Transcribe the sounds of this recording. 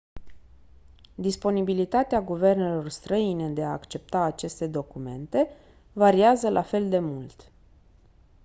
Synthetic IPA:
d̪ispo̞nibilit̪at̪eaɡuve̞rne̞lo̞rst̪ɾəine̞d̪e̞aːkt͡ʃe̞p̚t̪aːt͡ʃe̞st̪e̞d̪o̞kume̞̰nt̪e̞ | vaɾiazəlʔafe̞ld̪e̞mult̪

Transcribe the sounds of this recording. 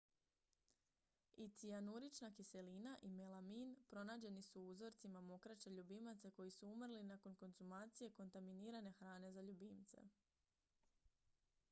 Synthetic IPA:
it̪sianuɾit͡ʃnakise̞linaʔimelaminpɾo̞naːd͡ʑe̞nisuuzo̞ɾt̪simamo̞kɾat͡ʃe̞ʎubimat̪se̞ko̞jisuumrlinako̞nko̞nz̥umaːt̪sije̞ko̞nt̪aminiːɾane̞xɾaːne̞zaʎubimt̪se̞̰

